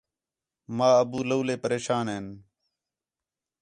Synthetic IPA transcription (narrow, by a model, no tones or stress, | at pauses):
maːəbuːləːleːpəɾeːʃaːnɦeːn